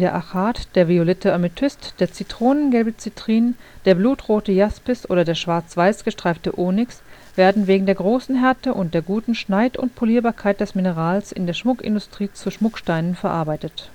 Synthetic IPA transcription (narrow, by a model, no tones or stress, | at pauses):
d̥eːɐʔaxaːtd̥eːɐviolɛtʰəʔamɪtʰʏstd̥eːɐt͡sitʁ̥oːnənɡɛlbət͡sitʁ̥iːnənd̥eːɐbluːtʁoːtəjaspɪsʔo̰ːɾɐdeːɐʃv̥aɐt͡sv̥aɪsɡ̥əʃtʁ̥aɪftəʔoːnɪks | v̥eːɐdn̩veːɡŋ̩deːɐɡʁoːsn̩ɦɛɐtəʔʊnt̚d̥eːɐɡuːtn̩ʃnaɪtʊ̰ntpʰoliːɐbaːɐkʰaɪt̚d̥ɛsminəʁaːlsʔɪ̰ndeːɐʃmʊkɪ̰ndʊstʁ̥iːt͡suʃmʊkʃtaɪnənfɛɐʔaɐbaɪtət